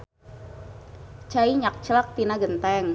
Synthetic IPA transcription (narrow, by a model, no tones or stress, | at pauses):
t͡ʃaiɲak̚t͡ʃlak̚t̪inaɡənt̪ɛŋ